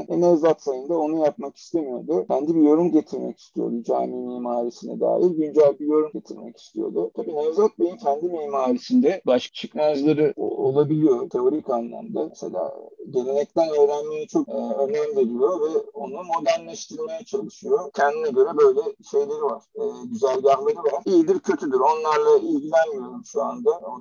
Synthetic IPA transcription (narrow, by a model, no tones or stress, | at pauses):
nenɛzat̪sajɯnd̪ao̞nujap̚maki̥st̪ʰemijo̞̰d̪ʊcʰænd̪ibijo̞ɾumɟet̪ʰiɾmɛ̰ci̥st̪ʰijo̞̰d̪ud͡ʒaːmiːmihmaːɾisinɛd̪a̰ːjiɾɟynd͡ʒælʲbijo̞ɾumɟe̞t̪ʰiɾmɛ̰ci̥st̪ʰijo̞̰d̪ʊt̪ʰabiːnɛvzat̪̚bej̪imcʰænd̪imiːmaːɾisind̪ɛbaʃkḁt͡ʃʰɯkmazlˠaɾɯo̰olˠabilʲijo̞t̪ʰe̞o̞ɾikanːˠa̰md̪amesḛlʲa̰ːɟe̞lʲenɛc̚t̪ʰænø̞ːɾænmejit͡ʃʰo̞kːønæmd̪eɾijo̞vɛo̞nˠaɯmo̞d̪æɾnlʲæʃt̪ʰɯɾmajat͡ʃʰalˠɯʃɯjo̞cʰɛnd̪inɛɟø̞ɾɛbø̞jlʲɛʃe̞jlʲe̞ɾivaɾ̥ɛːɟyzælʲɟanlˠaɾɯvaɾ̥ijid̪iɾcʰø̞t̪ʰyd̪yɾo̞nlˠaɾlˠailʲɟilʲænmijo̞ɾumʃuand̪ao